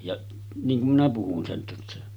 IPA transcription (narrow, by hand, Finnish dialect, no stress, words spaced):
jɑ niːŋ kum minæ puhun sen tæsːæ